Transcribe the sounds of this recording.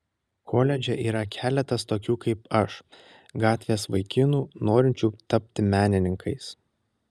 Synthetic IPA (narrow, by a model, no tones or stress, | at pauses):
kʰoːlʲɛd͡ʒʲɛʔiːɾɐkʲæːlʲɛt̪ɐst̪oːkʲuːkɐɪpɐʃ | ɡɑːt̪ʲʋʲeːsʋɐɪkʲɪnuːnoːɾʲɪnʲt͡ʃʲuːt̪ɐpʲt̪ʲɪmʲæːnʲɪnʲɪŋkʰɐɪs